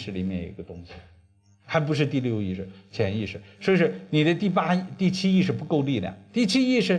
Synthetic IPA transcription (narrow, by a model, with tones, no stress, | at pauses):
ʂɻ̩˥˩li˨˩mjɛ˥˩njo̰˨˩ḭ˧˥ɡə˧t̪ʊ˥ŋɕi˨˩ | xa˧˥ɪp̬u˧˥ʂ̬ɻ̩˥˧t̪i˥˧ljo˥˧ʊi˥˩ʂɻ̩˥˩t͡ɕʰjɛ˧˥ni˥˩ʂɻ̩˥˩ʂo˧˥˧ʂɻ̩˥˩ni˨˩d̪ə˦t̪i˥˩pa˥˩t̪i˥˩t͡ɕʰi˥i˥˧ʂ̬ɻ̩˥˩pu˧˥ko˥˧ʊli˥˩lj̰ɑ̰˨˩˦t̪i˥˩t͡ɕʰi˥i˥˧ʂɻ̩˥˩